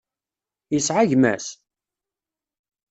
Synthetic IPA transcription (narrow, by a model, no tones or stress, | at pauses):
jəsʕaʝmæ̰s